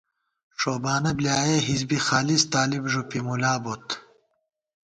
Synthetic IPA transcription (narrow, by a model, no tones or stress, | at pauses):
ʂoːbaːnɐbljaːjeːɦizbixaːlist̪aːlibʐupimulaːbot̪